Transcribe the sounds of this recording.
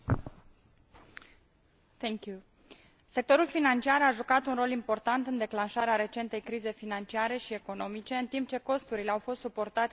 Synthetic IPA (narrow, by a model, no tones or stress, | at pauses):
θʰɛŋkju | se̞k̚t̪o̞ɾulfinant͡ʃiaɾaʒukat̪unro̞limpo̞rt̪ant̪ɨnd̪e̞klanʃaɾeaɾe̞t͡ʃe̞nt̪e̞jkɾize̞jfinant͡ʃiaɾe̞ʃie̞ko̞no̞mit͡ʃe̞ɨnt̪imp̚t͡ʃe̞ko̞st̪uɾileawfo̞st̪supo̞rt̪at̪